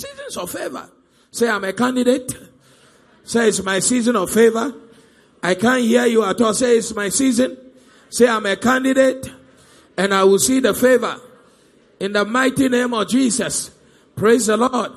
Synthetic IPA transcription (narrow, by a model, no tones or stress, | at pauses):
sizə̃nsɔv̥fevə̰˞ | seãɪ̃mekãndidet | seɪtsmaɪsizə̃nɔv̥fevə˞ | aɪkãnhiəjuatɔlseɪtsmaɪsizɨ̃n | seãɪ̃mekãndidet | ɛ̃naɪwɪlsiðəfevə̰˞ | ɪ̃nðəmaɪtinẽɪ̃mɔvd͡ʒisʌs | pʰɹeɪzðəlɔd̥̚